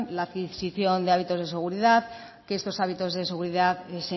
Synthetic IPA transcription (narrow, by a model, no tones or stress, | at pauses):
laːðkisiθjo̞nd̪e̞aβit̪o̞zðese̞ɣ̞uɾiðað | keest̪o̞saβ̞it̪o̞zðe̞se̞ɣ̞uɾiðaðese